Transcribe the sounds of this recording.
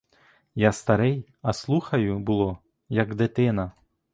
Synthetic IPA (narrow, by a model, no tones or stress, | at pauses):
jast̪ɐɾɛj | ɐslˠuxɐjʊbʊlˠɔ | jɐɡd̪ɪt̪ɪnɐ